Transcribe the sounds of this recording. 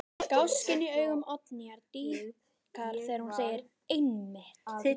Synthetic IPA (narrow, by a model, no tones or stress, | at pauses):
kawscɪniœːɥɣʏmɔt̪niaɾt̪iː | kʰal̥θɛːɾhunseːjɪɾ | ejnːɪht